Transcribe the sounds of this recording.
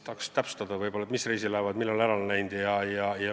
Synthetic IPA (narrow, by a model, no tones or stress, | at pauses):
t̪ɑkst̪æpst̪ɑd̪ɑvɤjbo̞lːɑet̪misre̞jsilæevɑd̪milːɑlæɾɑlnæjnd̪̥ijɑjɑjɑ